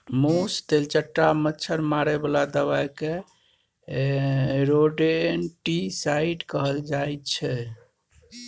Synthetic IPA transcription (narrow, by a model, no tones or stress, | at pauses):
most̪elt͡ʃəʈːamətːt͡ʃʰəɾmaɾebəlad̪əβajke | ɾoɖenʈisaiɖkəɦəld͡ʒajt̪t͡ʃʰɛ